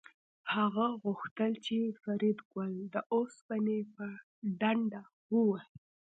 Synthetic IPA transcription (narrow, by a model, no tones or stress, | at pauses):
haɣaɣʊxt̪əlt͡ʃefaɾid̪ɡwəld̪əʔosbanepə | ɖaɳɖa | wəwa